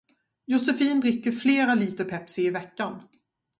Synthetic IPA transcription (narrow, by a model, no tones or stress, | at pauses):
jʊsɛfiːnd̪ɾɪkːəɾfleːɾaliːt̪əpʰɛpsɪɪvɛkːan